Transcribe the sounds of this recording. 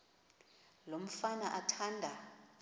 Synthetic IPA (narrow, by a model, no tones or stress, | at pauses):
lom̩fanaʔatʰandʱa